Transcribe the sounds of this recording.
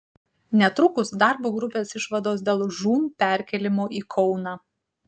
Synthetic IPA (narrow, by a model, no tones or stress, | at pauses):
nʲɛt̪ɾʊkʊsd̪ɑˑɾboːɡɾʊpʲeːsɪʃʋɐd̪oːsd̪ʲeːlˠʒuːmpʲɛæɾʲkʲɛlʲɪmoːʔiːkʰɔʊnɑː